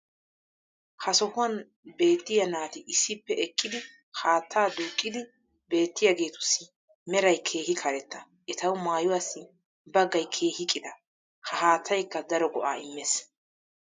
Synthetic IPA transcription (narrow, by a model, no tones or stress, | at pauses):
hɐsɔhʊwɐn | be̞ːt̪ːɪjɐnaːt̪ɪʔɪsːɪpːɛʔɛkʼːɪd̪ɪ | haːt̪ʰːaːd̪uːkʼːɪd̪ɪ | be̞ːt̪ːɪjɐɡe̞ːt̪ʊ̥sːɪ | mɛɾɐjkʰe̞ːɦɪkʰɐɾɛt̪ːɐ | ʔɛt̪ɐwʊmaːjʊwasːɪ | bɐɡɐjkʰe̞ːhɪkʼːɪd̪ɐ | hɐhaːt̪ʰːɐjkːɐd̪ɐɾɔɡɔʔaːɪmːes